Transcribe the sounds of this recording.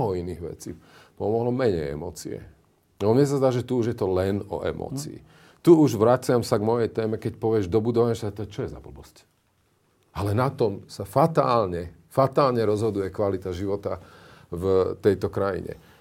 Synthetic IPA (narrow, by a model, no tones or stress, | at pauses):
ɦɔiniːɣʋɛ̰t͡sipɔmɔɦlɔmɛɲɛjɛ̰mɔːt͡sḭɛ̰ | nmɪjɛs̬azd̪aːʒɛt̪uuʒjɛt̪ɔlɛnɔ̰ʔɛ̰mɔ̰ːt͡sḭḭ | t̪uuʒʋɾat͡sɪamsaɡmɔjɛjt̪ɛːmɛkɛcpɔʋɪɛʒd̪ɔbud̪ɔʋaɲɛʃt̪t̪ɔt͡ʃɔjɛza̰bl̩bɔsc | alɛnat̪ɔmsafat̪aːlɲɛ | fat̪aːlɲɛɾɔzɦɔd̪ujɛkʋalit̪aʒiʋɔt̪a | vt̪ɛjt̪ɔkɾajḭɲɛ̰